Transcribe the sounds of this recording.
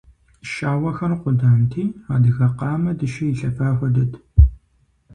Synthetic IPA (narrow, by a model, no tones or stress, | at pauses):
ʃaːwɐxɐrqʷʊdaːntʰiːaːdɨɣɐqɑːmɐdɨʃɪjiɬɐfaːxʷɐdɐtʰ